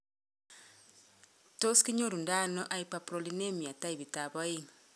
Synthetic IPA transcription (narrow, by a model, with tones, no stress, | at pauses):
to˦ski˦ɲo˦ɾu˨nda˦nɔ˦ʔa˦i˦pa˨pɾo˨li˦ne˦mi˨a˨ta˦i˨βi˨ta˨bɔ˦i˦ŋ